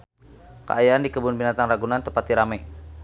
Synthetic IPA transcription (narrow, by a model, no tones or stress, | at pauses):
kə̰ʔajaandikəbunbinat̪aŋraɡunant̪əpat̪iɾamɛ